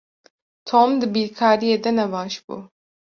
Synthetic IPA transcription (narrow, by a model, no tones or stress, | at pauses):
t̪ʰoːmd̪ɨbiːɾkʰɑːɾijeːd̪ɛnɛbɑːʃbṵː